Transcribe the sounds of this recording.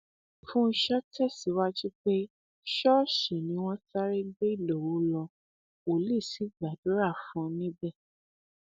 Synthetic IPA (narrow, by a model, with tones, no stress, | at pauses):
fũ˦˧ʃɔ˦tɛ˦˨si˨˦wa˦ti˦k͡pe˦ | ʃɔ˦ʃe˨nĩ˨˦w̃ɔ̃˦ta˦ɾe˦ɡ͡be˦i˦˨lo˨wu˨˦lɔ˧ | o˨li˦˨si˨˦ɡ͡ba˨do˨˦ɾa˦˨fũ˦nĩ˦bɛ˦˨